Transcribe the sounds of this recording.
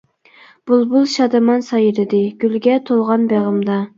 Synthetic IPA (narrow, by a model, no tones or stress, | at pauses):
b̥ulˠbulˠʃɑd̪ɨmɑnsɑjɾɪd̪ɪɡ̥ʲylɡʲɛt̪ʰolˠʁɑnbeʁəmd̪ɑ